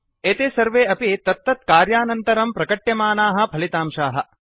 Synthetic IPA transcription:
eːt̪eːsɐɾʋeːɐpit̪ɐt̪ːɐt̪kaːɾjaːnɐnt̪ɐɾɐmpɾɐkɐʈjɐmaːnaːɦɐ̆pʰɐlit̪aːmʃaːɦɐ̆

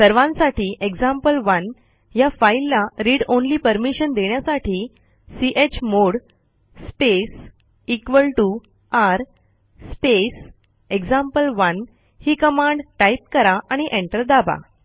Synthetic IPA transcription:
səɾʋãnsaʈiːʔeɡd͡zãmpəlʋən | jafailːaɾiːɽonliːpəɾmiɕənd̪eɳjasaʈʰiː | siʔet͡ɕmoɽ | spes | ikʋəlʈu | aɾ | spes | eɡd͡zãmpəlʋən | hiːkəmãɳɖʈajp̚kəɾaʔaɽ̃iʔẽɳʈəɾd̪aba̰

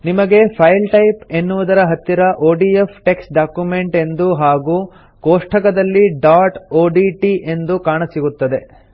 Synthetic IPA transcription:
nimɐɡe̞pʰɐjlʈɐjpe̞nːuʋud̪ɐɾɐɦɐt̪ːiɾɐʔoːɖiepʰʈe̞ksʈɖaːkjume̞ɳʈe̞nd̪uɦaːɡuː | koːʂʈʰɐkɐd̪ɐlːiɖaːʈoːɖiʈiʔe̞nd̪ukaːɳɐsiɡut̪ːɐd̪e̞

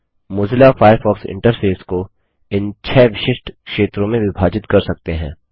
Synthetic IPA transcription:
mʊzɪlafaːjəɾfɔːksɪ̰̃ɳʈəɾfeːsko | ɪnt͡ʃʰɛːʋɪʃɪʃʈʰkʃeːt̪ɾõmẽʋɪbʱaːd͡ʒɪt̪kɐɾsɐk̚t̪eɦɛ̰̃ː

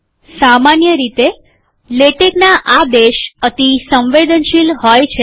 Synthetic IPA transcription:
samanjəɾit̪e | leʈeknaʔad̪eʃət̪isə̃mʋed̪ənʃilɦojt͡ʃʰe

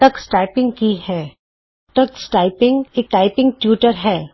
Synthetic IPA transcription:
ɐksʈaːɪpɪ̃ŋɡkihɛː | t̪ɐksʈaːɪpɪ̃ŋɡeːk̚ʈaːɪpɪ̃ŋɡ̚ʈjuːʈəɾɦɛː

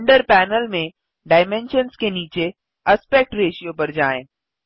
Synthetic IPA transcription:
ɳɖəɾpɛːnəlmẽ | ɖaːɪmẽnʃənskeniːt͡ʃe | ɐspek̚ʈɾeːʃijopɐɾd͡ʒaːẽː

